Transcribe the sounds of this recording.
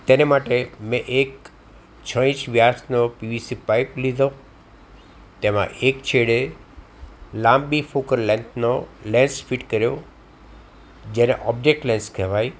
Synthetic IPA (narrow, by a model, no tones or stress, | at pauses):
t̪enemaʈemẽʔek | t͡ʃʰə̃ĩʃʋjasnopiʋisipaɪplid̪ʱə̃ | t̪emã̰ʔekt͡ʃʰeɽe | lãːmbifʰokəɾlɛ̃nt̪ʰnolẽnsfʰiʈkəɾjo | d͡ʒenḛʔɔːb̚d͡ʒek̚ʈlẽnskʰeʋai